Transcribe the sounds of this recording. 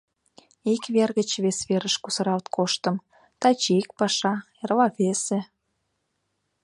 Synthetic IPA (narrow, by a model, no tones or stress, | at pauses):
ikβerɣət͡ɕβesβeɾəʃkusəɾɑlt̪kʰoʃt̪əm | t̪ɑt͡ɕik̚pɑʃɑ | erlɑβese